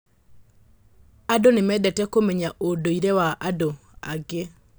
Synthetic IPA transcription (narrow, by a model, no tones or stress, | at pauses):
adonemɛdɛtɛkomeɲaʔodoiɾewaʔadoa̰ɡe